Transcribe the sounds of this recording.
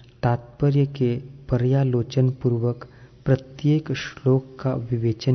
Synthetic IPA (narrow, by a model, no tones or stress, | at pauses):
t̪aːt̪pəɾjəkepəɾjaːloːt͡ʃənpuɾʋəkpɾət̪jeːkʃloːkːaʋɪʋeːt͡ʃən